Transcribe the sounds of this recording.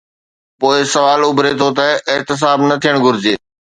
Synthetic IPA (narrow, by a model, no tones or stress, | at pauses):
poːɪsɐʋaːlʊbʱɾet̪ʰot̪̬ɐɪɦt̪ɪs̬aːbnɐt̪ʰijəɽ̃ɡʱʊɾɪd͡ʑeː